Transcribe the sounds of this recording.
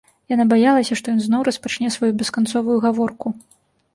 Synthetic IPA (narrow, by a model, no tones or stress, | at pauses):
janabajalˠɐsʲɐʂt̪ɔjɔnznɔwɾɐspat͡ʂnʲɛsvajubʲɛskant̪sɔvujuɣavɔrku